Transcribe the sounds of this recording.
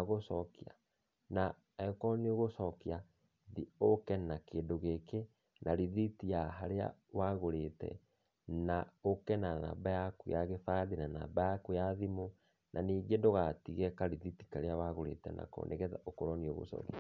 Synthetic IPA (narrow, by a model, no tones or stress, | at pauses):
aɣosɔkia̰ | na | ɛkɔnioɣosɔkia | ðiokɛnakeːndoɣeke | nʔaɾiðitijaɦaɾea̰waɣoɾetɛ̰ | naokɛnana̰ːbajakujaɣefaːðinana̰ːbajakujaðimo | nʔaniːɡendoɣatiɣɛkaɾiðitikaɾeawaɣoɾḛtɛ̰na̰ko̰nʔḛɣɛtaokoɾɔnioɣo̰sɔ̰kia